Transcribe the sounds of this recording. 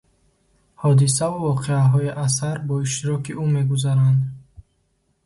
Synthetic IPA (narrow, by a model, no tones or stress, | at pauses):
hɔd̪is̬avuvɔqʰeaɦɔiʔas̬aɾbɔiʃ̬t̪iɾɔkiʔume̞ɡuzaɾand̪